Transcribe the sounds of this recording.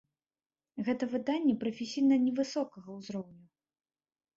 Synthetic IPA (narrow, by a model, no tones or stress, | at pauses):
ɣɛt̪ɐvɨd̪anʲːɛpɾɐfʲesʲijnɐnʲɛvɨsɔkɐɣɐwzɾɔwnʲu